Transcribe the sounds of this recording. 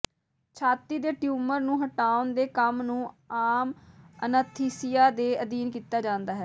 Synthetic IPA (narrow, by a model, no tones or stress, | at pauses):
t͡ʃʰaːt̪iːd̪eːʈjuːməɾnũːɦəʈaːʊnd̪eːkəmnũː | aːmənət̪ʰiːsɪjaːd̪eːəd̪iːnkiːt̪aːd͡ʒãːnd̪aːɦɛː